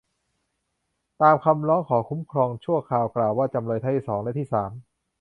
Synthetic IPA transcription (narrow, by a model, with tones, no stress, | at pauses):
t̪aː˧mkʰa˧mɾɔː˦˥ŋkʰɔː˩˦kʰu˦˥mkʰɾɔː˧ŋt͡ɕʰu˥˩ɐkʰaː˧wklaː˨˩wːaː˥˩t͡ɕa˧mloː˧j̪ʰa˥˩t̪ʰiː˥˩sɔː˩˦ŋlɛ˦˥t̪ʰiː˥˩saː˩˦m